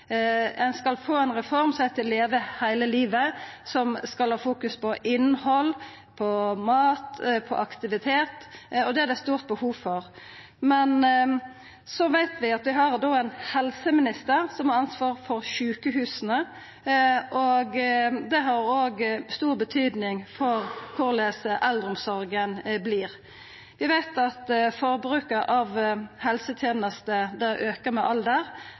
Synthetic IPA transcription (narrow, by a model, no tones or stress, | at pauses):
ɛnskɑlfoːɛnʁɛfɔʁmsɛɪt̪ʰɪlːeːʋəhæɪləliːʋəsɔmskɑlhɑːfuːkʉspʰɔʔɪnːhɔl | pʰɔmɑːt̪pʰɔ̰ʔɑkt̪ɪʋɪt̪ʰeːt̪ɔd̪ɛæɾd̪æst̪uːʁt̪̚bəhuːʋfɔʁ | mɛn | sɔʋæɪt̪ʋɪɑt̪ʋɪɦɑʁd̪oːæɪnhɛlsəmɪnɪst̪əɾsɔmhɑʁɑnsʋɑːʁfɔʁʃʉːkəhʉːsnə | ʔoɡd̪ɛɦɑɾoːɡst̪uːʁbət̪ʰyːd̪nɪŋfɔʁkʰʊʁleːsəʔɛlːəɾʊmsɔɾɡənbliːʁ | ʋɪʋæɪt̪ɑt̪fɔʁbɾʉːkəʔɑʋhɛlsət̪ʰjeːnəst̪əd̪æɾʔøːkəʁmɛʔɑld̪əʁ